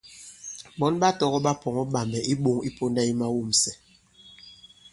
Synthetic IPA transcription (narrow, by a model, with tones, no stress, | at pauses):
ɓɔ˨˦nɓa˦tɔ˦ɣɔ˦ɓa˦pɔ˨ŋɔ˦ɓa˨mɛ˨ʔi˦ɓo˦ŋi˦po˦nda˦i˦ma˦wu˦˨m̩sɛ˨